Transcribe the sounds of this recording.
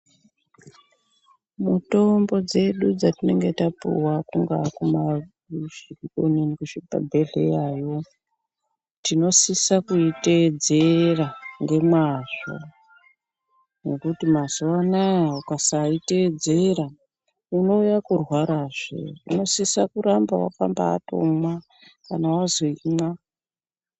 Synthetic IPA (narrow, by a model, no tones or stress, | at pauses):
muto̞mbo̞d͡ze̞ɗud͡zatine̞ŋɡe̞tapṵwakuŋɡa̰kuma | ʒiikoninikuʃipa̰bʱe̞ɮe̞̰jaːjo | tino̞sisakuited͡ze̞raŋɡe̞mwaʐo̰ | nekutimaz̥uwanajaukasaite̞d͡ze̞ɾa | uno̞ujakurwaɾaʐḛuno̞sisakuɾambawa̰ka̰mba̰ːto̞̰mwa | kanawazo̞ima